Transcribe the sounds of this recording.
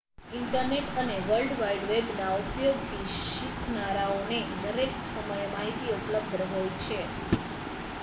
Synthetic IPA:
ɪɳʈəɾneʈəneʋəlɖʋaiɖʋebnaupjoɡ̚t̪ʰi | ʃikʰnaɾaonenəɾeksəməjmaɦit̪iupləb̚d̪əɦojt͡ʃʰe

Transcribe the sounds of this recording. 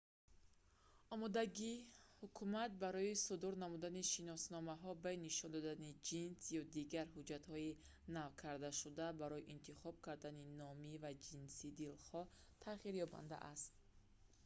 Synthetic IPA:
ɔmɔd̪aɡihukʰumat̪̚baɾɔisud̪uɾnamud̪aniʃinɔsnɔmaɦɔbainiʃɔnd̪ɔd̪anid͡ʒinsjɔd̪iɡaɾɦud͡ʒat̪hɔi | navkʰaɾd̪aʃud̪abaɾɔjiʔint̪ʰiχɔb̚kʰaɾd̪aninɔmivad͡ʒinsid̪ilχɔ | t̪ʰaχiɾjɔba̰nd̪a̰ʔast̪

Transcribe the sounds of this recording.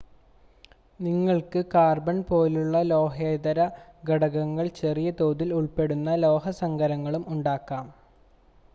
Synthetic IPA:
niŋːɐɭkɨkaːrbɐnpo̞ːluɭːɐlo̞ːɦeːd̪ɐɾɐɡɐɽɐɣɐŋːɐɭt͡ɕe̞rijɐt̪o̞ːðiluɭpe̞ɽunːɐlo̞ːɦɐsɐŋɡɐɾɐŋːɐɭumuɳɖaːkːaːm

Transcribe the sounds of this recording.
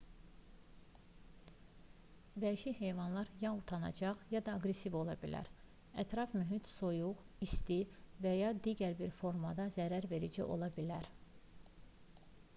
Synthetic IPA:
væiʃihe̞jvɑnlˠɑɾjɑut̪ʰɑnɑ̰d͡ʒɑʁjɑd̪ɑːɡɾe̞sivo̞lˠɑbilʔæ̰ɾ | æt̪ʰɾɑfmyɦit̪so̞juʁ | ist̪ivæjɑd̪iɟæɾbiɾfo̞ɾmɑd̪ɑzæɾæɾve̞ɾid͡ʒḭʔo̞̰lˠɑbilæɾ

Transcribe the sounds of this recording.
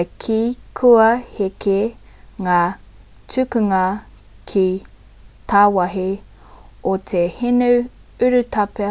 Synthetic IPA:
kʰikʰuɐheke | ŋaː | tʉkuŋɐ | kʰi | t̪ʰawɐɦi | ot̪ʰehinu | ʉɾʉtʰɐpe

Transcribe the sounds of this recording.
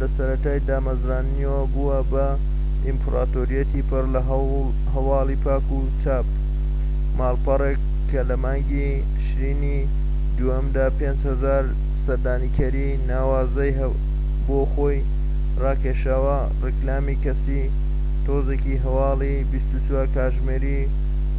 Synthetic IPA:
lɐsɐɾɐt̪aːjd̪aːmɐzɾaːniowbuwɐbɐ | impʰɾaːt̪oːɾijɐt̪ʰipʰɨrlɐɦ | ɦɐwɑːlipʰaːku | t͡ʃaːp̚ | maːlpɐrekːɐlɐmaːŋɡi | t̪ʰɨ̥ʃɾini | d̪uhɐmd̪aːpeːnd͡ʒhɐzaːɾ | sɐɾd̪aːniːkʰɐɾi | naːwaːzɐj | boːxoːj | rɑːkeʃaːwɐ | rɪklaːmikɐsi | t̪oːzeːkiɦɐwɑːli | bist̪ut͡swaːɾkaːʒmeːɾi

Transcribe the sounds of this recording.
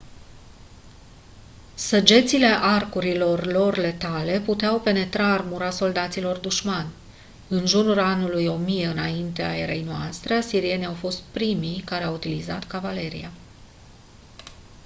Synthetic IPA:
səd͡ʒe̞t̪sile̞ʔarkuɾilo̞rlo̞rle̞t̪ale̞put̪eawpe̞ne̞t̪ɾaːrmuɾaso̞ld̪at̪silo̞rd̪uʃmanʲ | ɨnʒunulanulujo̞mijeɨnaint̪e̞a̰e̞ɾe̞jnoa̰st̪ɾeasiɾie̞niawfo̞st̪̚pɾimijkaɾe̞awut̪ilizat̪kavale̞ɾḭa

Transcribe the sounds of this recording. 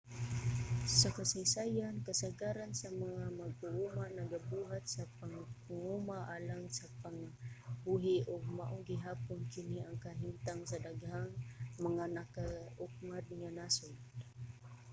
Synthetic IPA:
sakasajsajankasaɡaɾansamaŋamaɡ̚ʊʔumanaɡabuɦat̪̚sapaŋŋumaʔalaŋsapaŋbuɦɪʔʊɡ̚maʔʊɡɪɦapʊnkɪniaŋkaɦint̪aŋsad̪aɡhaŋmaŋanakaʔʊk̚mad̪̚ŋanasʊd̪

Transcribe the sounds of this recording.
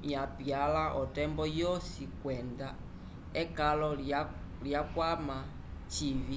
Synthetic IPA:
japjalaʔɔtɛmbɔjɔsikwɛnda | ɛkalɔ | ljakwama | t͡ʃivi

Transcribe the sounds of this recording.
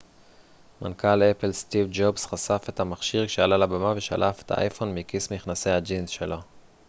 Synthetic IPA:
ma̰nkalepelst̪ivd͡ʒobsχasafe̞thamaχʃiʁkʃealalabamaveʃa̰lʔafet̪a̰ʔa̰jfo̞nmikismiχnase̞jhad͡ʒinzʃelo̞

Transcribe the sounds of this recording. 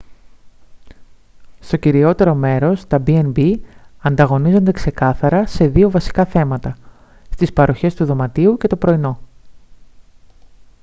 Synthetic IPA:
st̪o̞ciɾio̞t̪e̞ɾo̞me̞ɾo̞st̪ɐbienbiɐnd̪ɐɣo̞nizo̞nd̪e̞kse̞kɐθɐɾɐse̞ðio̞vɐsi̥kɐθe̞mɐt̪ɐ | st̪ispɐɾo̞çe̞st̪uðo̞mɐt̪iuce̞t̪o̞pɾo̞ino̞

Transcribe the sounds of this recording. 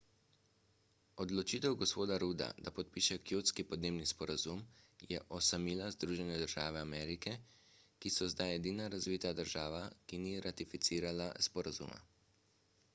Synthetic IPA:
ɔd̪lɔt͡ʃit̪ɛwɡɔspoːd̪aɾud̪a̰d̪apɔt̪̚piʃɛkjoːt̪skipɔd̪neːbnispɔɾazumjɛ̰ʔɔsamiːlazd̪ɾuːʒɛnɛd̪əɾʒaːʋɛamɛːɾikɛ | kisɔzd̪ajɛd̪iːnaɾazʋit̪ad̪əɾʒaːʋakiniɾat̪ifit̪siːɾalaspɔɾazṵːma̰

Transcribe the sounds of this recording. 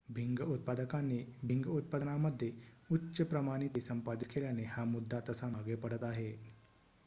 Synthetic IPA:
bʱiŋɡəut̪̚pad̪əkanːebʱiŋɡəut̪̚pad̪ənaməd̪ʱːjeutːɕəpɾəmaɽ̃it̪isəmpad̪it̪kʰeljaneɦamud̪ʱːat̪əsamaɡepəɽət̪aɦe

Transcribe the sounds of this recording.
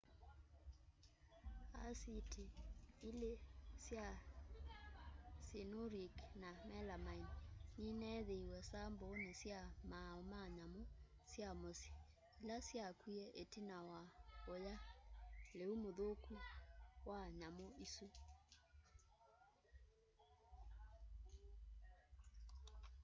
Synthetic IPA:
a̰sitʰiilesja | sinoɾiknamɛlamainninɛðeiwɛsambonesjamaomaɲamo | sjamosi̥ | ilasjakiɛʔetinawaoja | leumoðokuwaɲamoisu

